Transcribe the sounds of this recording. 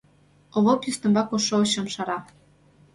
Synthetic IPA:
oβokjyst̪ɤ̆mbɑkoʃooɕɤ̆mʃɑɾɑ

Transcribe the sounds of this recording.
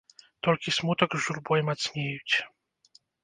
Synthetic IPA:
t̪ɔlʲkʲismut̪ɐɡzʒurbɔjmat̪sʲnʲejut͡sʲ

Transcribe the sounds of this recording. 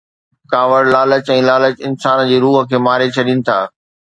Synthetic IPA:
kaːʋəɽlaːlət͡ɕɛ̃ːlaːlət͡ɕɪnsaːnd͡ʑeːɾuːɦə̆kʰeːmaːɾet͡ɕʰɐɗinɪ̆t̪ʰa̰ː

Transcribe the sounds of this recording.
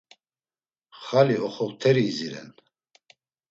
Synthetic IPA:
χaliɔχɔʁt̪ʰɛɾiːziɾɛ̰n

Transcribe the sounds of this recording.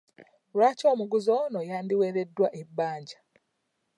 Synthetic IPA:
ɾaːco̞ːmuɡuzoːnojaːndiweːɾedːwaʔebːaːɲɟḁ

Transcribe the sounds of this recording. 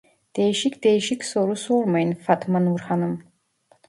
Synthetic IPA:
d̪̥eːʃikʰd̪eːʃikʰʲsoɾusoːrmɐjnfat̪ʰmɨnwurħanɨm

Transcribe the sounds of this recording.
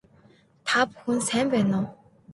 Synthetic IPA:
t̪ʰap̚hunsɛnpɛːnɔ

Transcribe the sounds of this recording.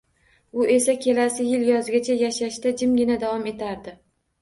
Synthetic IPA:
ʊʔe̞sakʲʰe̞lasɪjɪljɒzɪɡʲat͡ʃʰajaʃaʃt̪ad͡ʒɪmɡʲɪnad̪avɒme̞t̪ʰaɾd̪ɪ

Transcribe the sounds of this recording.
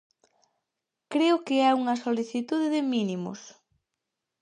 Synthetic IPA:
kɾeʊkɪɛuŋɐsoliθit̪uðɪðɪminimʊ̰s

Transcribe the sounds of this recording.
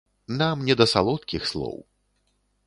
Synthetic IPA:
namnʲɛd̪ɐsalˠɔt̪kʲixslˠɔ̰w

